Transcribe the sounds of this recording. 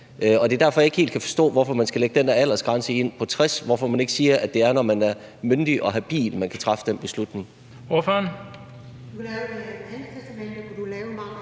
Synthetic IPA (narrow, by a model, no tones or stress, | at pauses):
ʔɒ̽d̥e̝ɐd̥æɐfɒjɑ̈e̝ɡ̥he̝ːld̥kʰæfɒ̥̽sd̥ɔ̰̽ːʋɒfɒ̽mænsɡ̥æleɡ̥əd̥end̥æɐæl̰ɐsɡ̥ʁɑ̈nsəe̝n̰pʰɒ̽t͡sʰʁɛsʋɒfɒ̽mæne̝ɡ̥əsiːɐʔæd̥e̝æɐnɒmænæɐ | mønd̥iʔɒ̽ɦæb̥ḭːlmænkʰæt͡sʰʁɑ̈fə̥d̥enb̥e̝slud̥ne̝ŋ | o̝føːɐn̥ | ukʰlɛːʊd̥eæɐænpʰæsd̥emenəkʰæd̥ulɛːʊmɑ̈ŋ